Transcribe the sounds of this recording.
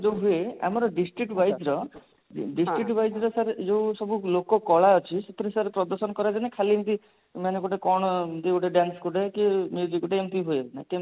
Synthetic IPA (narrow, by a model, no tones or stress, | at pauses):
d͡ʒewɦuea̰mɔɾɔɖisʈɾik̚ʈbajd͡ʒɾɔ | ɖisʈɾik̚ʈbajd͡ʒɾɔsaɾed͡ʒewsɔbulokɔkɔɭaɔt͡ʃʰiset̪ʰiɾesaɾepɾɔd̪ɔɾsɔnɔkɔɾad͡ʒanekʰalint̪i | manekoʈekɔɽ̃ɔt̪ikuʈeɖanskoʈekemjud͡ʒikuʈeemt̪iɦuenake